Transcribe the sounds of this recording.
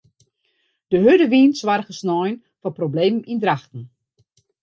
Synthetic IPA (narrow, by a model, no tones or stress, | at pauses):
d̥əɦødəʋiːnsʋarɣəsnɔjn | fɔprobleːməmindraxtn̩